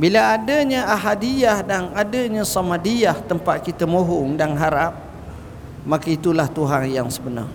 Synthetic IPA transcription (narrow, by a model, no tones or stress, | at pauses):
bilaadaɲaʔaɦadijahdanadaɲãsɔmadijaht̪əmpat̪̚kit̪amoɦʊŋdanɦaɾap̚ | makait̪ulaht̪uɦanjaŋsəbəna̰r